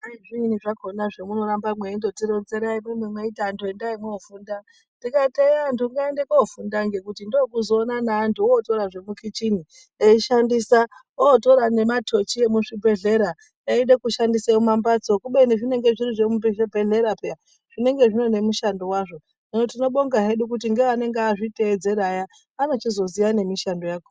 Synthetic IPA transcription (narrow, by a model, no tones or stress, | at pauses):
aiʐiniʐakonaʐemuno̞ɾambamweindotiɾonzeɾaimemwemweitandoendaimwoːfuːnda | ndikateandoŋɡaendekofundaŋɡe̞kutindokuzoːnanaːndʰuoːto̞ɾaʐe̞mukit͡ʃini | eiʃandisa | oːto̞ɾane̞matʰo̞t͡ʃie̞muʂibʱe̞ɮe̞ɾa | eiɗekuʃandiseumambat͡sokuɓeniʐine̞ŋɡe̞ʐiriʐe̞mubebʱeɮe̞ɾapea | ʐ̥ine̞ŋɡe̞ʐino̞ne̞muʃando̞waʐo̞ | inotino̞ɓo̞ŋɡaɦe̞ɗuk̬ut̬iŋɡe̞ʋane̞ŋɡeaʐite̞ːd͡ze̞ɾajaː | no̞t͡ʃizo̞zijane̞miʃando̞jaːko